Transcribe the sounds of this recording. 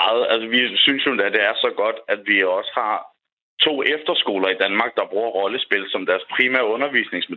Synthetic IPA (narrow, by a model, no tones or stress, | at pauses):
ð̩ˠælsəʋisynsjod̥æd̥e̝æɐsɒ̽ɡ̥ɒ̽d̥æd̥ʋiɒ̽sə̥hɑ̈ | t͡sʰo̝̰ːʔefd̥ɐsɡ̥o̝̰ːlɐid̥ænmɑ̈ːɡ̥̚d̥ɑ̈b̥ʁuːɐ̰ʁɒ̽ləsb̥e̝l̰sɒ̽md̥æɐspʰʁiːmæ̰ɐɔ̽nɐʋḭːsne̝ŋsme